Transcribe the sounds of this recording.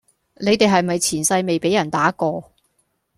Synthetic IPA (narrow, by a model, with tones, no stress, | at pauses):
ne˨˧jt̪e˨jɦɐ˨jmɐ˨jt͡sʰiː˨˩nsɐ˧jme˨jpe˨˥jɐ˨˩nt̪aː˨˥kɔː˧